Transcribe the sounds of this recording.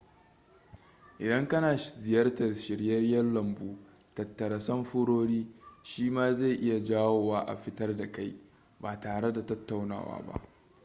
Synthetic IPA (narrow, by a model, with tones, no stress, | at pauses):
ʔɪ˨dɐ˦ŋkɐ˦naː˨zɪ˨jɐ˦rtɐ˨rʃɪ˨ɽjɐ˦rjɐ˦rlɐ˨mbuː˦ | tɐ˨tːɐ˨ɾɐ˨sɐ˦mɸʊ˦ɽoː˦ɽiː˦ʃiː˦maː˦za˦˨jʔɪ˦ja˨d͡ʒaː˦woː˨waː˦ʔa̰˨ɸɪ˦tɐ˦rda˨ka˦j | baː˨taː˨ɽe˦da˨tɐ˦tːa˨wna̰ː˨wa̰ː˦ba̰˦ʔ